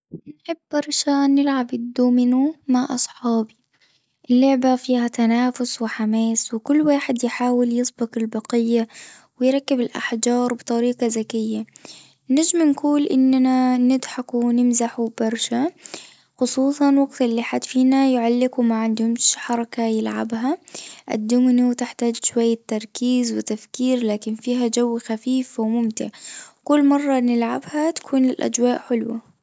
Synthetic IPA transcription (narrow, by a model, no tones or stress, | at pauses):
nħɪbːɑɾˤʃanɪlʕabɪd̪ːuːmɪnumaʕʔɑ̰sˤħɑːbi | ʔɪlːʊʕbafiːhat̪anaːfʊswɪħamaːswɪkʊlːwaːħɪd̪jħaːwɪljɪsˤbɪqɪlbɑqɪjːa | wɪjɾˤɑkːɪbɪlʔa̰ħd͡ʒɑːɾˤbɨt̪ˤɑɾiːqɑzakɪjːa | nad͡ʒmnɡuːlʔɪnːananɪd̪ħakunɪmzaħub̥ɑɾˤʃa | xʊsˤuːsˤɑnwɑɡt̪ɪlːiħat̪fiːnajʊʕalːɪɡumaʕɪnd̪hʊmʃħɑɾˤɑkajɪlʕa̰bɦaʔa̰d̪ːʊmniwt̪ɪħt̪aːd͡ʒʃwajːat̪ːɑɾˤkiːzwɪt̪afkiːɾlaːkɪnfiːɦad͡ʒawːxafiːfwmʊmt̪ɪ̰ʕkʊlːmɑrˤːɑnɪlʕa̰bhat̪ḁkʰuːnlɪlʔa̰d͡ʒwaːʔħʊlwa̰